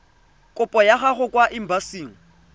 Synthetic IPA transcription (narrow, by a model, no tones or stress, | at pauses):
kʼʊpʼɔjaχaχʊkʼwaʔɪm̩basiːŋ̩